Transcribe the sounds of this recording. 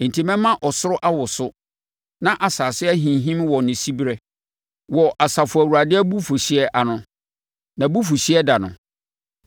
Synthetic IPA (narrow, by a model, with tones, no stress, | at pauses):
n̩˨tʰi˦mɛ̃˦mã˦ʔɔ˨sʊ˦ɾʊ˦ʔa˦wɔ˨sʊ˦ | nã˦ʔa˨saː˨sɪ˦æ˦ɦĩ˨nɦĩ˦mwɔ˨nɪ̃˨si˦bɾɛ˦ | wɔ˨ʔa˨sa˨fʊ˨æ˨wu˨ɾa˨dɪ˦æ˦bu˦fu˨ɕɪ˦ɛ˦ʔa˨nʊ̃˦ | nã˨bu˦fu˨ɕi˦ɛ˦da˨nʊ̰̃˨